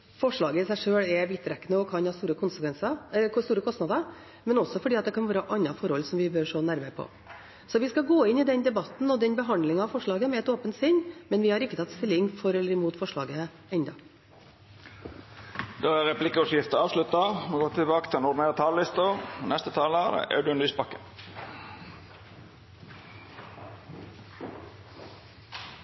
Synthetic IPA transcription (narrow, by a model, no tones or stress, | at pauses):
fɔʂɭɑːɡəɪsæɪʂøːɽɛʋɪt̪ːɾɛkːənəɔkʰɑnhɑːst̪uːɾəkʰʊnsəkʋɛnsɑst̪uːɾəkʰɔst̪nɑd̪ə | mɛnɔsɔfɔɖiːɑt̪d̪ɛkʰɑnʋæːɾəʔɑnːɑfɔɾhɔlsɔmʋɪbøɾʂoːnæɾməɾpʰɔ̰ | sɔʋɪskɑɡoːɪnːɪd̪ɛnd̪ɛbɑt̪n̩ɔd̪ɛnbəɦɑnd̪lɪŋɑɑʋfɔʂɭɑːɡəmɛɛt̪oːpənt̪sɪnːmɛnʋɪhɑɾɪkːət̪ʰɑt̪st̪ɪlːɪŋfɔɾɛlːəɾɪmuːt̪fɔʂɭɑ̰ːɡə | ɛnd̪ɑ | d̪̥oːæʁɛpʰlɪkəɔsjɪft̪əɑːʋslʉt̪ɑmɔɡoːt̪ʰɪlbɑːkət̪ʰɪlɛnɔʁd̪ɪneːʁət̪ʰɑːləlɪst̪ənɛst̪ət̪ʰɑːləæd̪ɛ̰ʔæ̰ʉd̪ʉniːspɑkːən